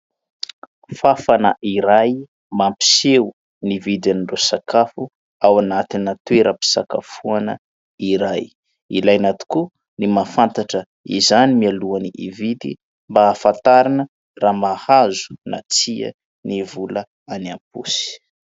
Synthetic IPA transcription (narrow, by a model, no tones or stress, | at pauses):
fafanə̰ʔiɾaj | mampi̥sew | nivid̪aniɳrosakafu | awanat̪inat̪weɾapi̥saka̰fuanə | iɾaj | ilajnat̪u̥ku | nimafant̪aʈ͡ʂə | ḭzanimialuaniʔḭvid̪i | mbaːfant̪aɾinə | raːmahazu̥na̰t͡siə̰ | nivulə | aniampusi̥